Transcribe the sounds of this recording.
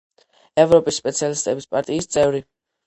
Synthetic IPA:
ɛvɾɔpʼisːpʼɛt̪sʰijalist̪ʼɛbispʼaɾt̪ʼiːst̪sʼɛvɾi

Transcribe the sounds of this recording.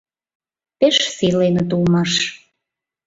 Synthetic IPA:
peʃsilenə̆t̪ulmɑʃ

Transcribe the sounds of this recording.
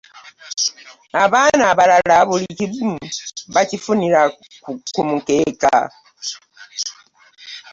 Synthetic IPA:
aβanaːβalalaβulicibumβacifuniɾa | kumukeka̰

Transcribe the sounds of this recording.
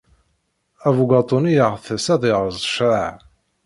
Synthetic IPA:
ævuɡɑt̪ˤonijəʁθsæðˤiʁəzˤʃʕaʕ

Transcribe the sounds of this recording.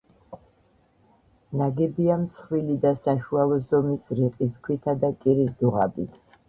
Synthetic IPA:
naɡɛbiamsχwilid̪asaʃualˠɔzɔmisɾiqʼis̬kʰwit̪ʰad̪akʼiɾisd̪uʁa̰bit̪ʰ

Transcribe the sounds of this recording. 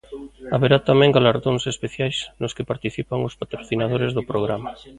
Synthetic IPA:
aβeɾat̪amɛ̃ŋɡalaɾðoŋsespeθjajsnʊskɪpaɾt̪iθipaŋʊspat̪ɾoθinað̞oɾezðopɾoɣɾama

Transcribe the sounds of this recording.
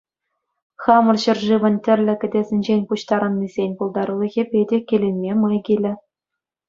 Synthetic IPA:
χɑmɤ̆rɕɤ̆rʐɯʋɤ̆nʲtʲɘ̆rʲlʲɘ̆kʲɘ̆dʲezʲɘ̆nʲd͡ʑenʲpuɕt̪ɑɾɤ̆nːizʲenʲpulˠd̪ɑɾulʲˠɤ̆ɣʲepʲedʲekʲelʲenʲmʲemɑjɡʲilʲɘ̆

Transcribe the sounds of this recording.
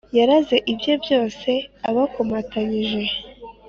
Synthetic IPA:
jaɾaze̞ʔibjo̞bjo̞ːse̞aβakomataɲiʒe̞

